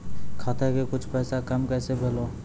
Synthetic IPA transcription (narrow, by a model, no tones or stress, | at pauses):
kʰaːt̪ekekʊt͡ʃʰpɛːsakɐmkɛːsebʱeːloː